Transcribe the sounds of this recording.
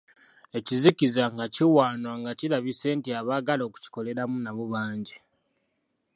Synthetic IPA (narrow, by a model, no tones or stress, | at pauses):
e̞cizikizaŋɡaciwaːnwaŋɡacilaβise̞ːntiaβaːɡalo̞ːku̥ci̥ko̞le̞ɾamunaβuβaːɲɟi